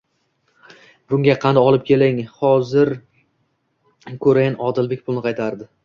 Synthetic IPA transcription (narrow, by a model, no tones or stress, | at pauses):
bʊŋʲaqʰɑnd̪aɒlˠɪp̚kʲʰe̞lɪŋhɒzɪɾ | kʰɵɾajnɒd̪ɪlˠbe̞k̚ʲpʰʊlˠnɪqʰɑjt̪ʰaɾd̪ɪ